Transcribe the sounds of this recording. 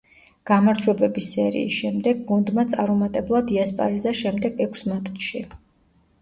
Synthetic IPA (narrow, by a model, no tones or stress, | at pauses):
ɡ̥amaɾd͡ʒwɛbɛbisɛɾḭːsʃɛmd̪ɛɡ̚ɡund̪mat̪sʼaɾumat̪ʼɛblˠad̪iaspʼa̰ɾizaʃɛmd̪ɛɡɛkʷʰsmat̪ʼʃi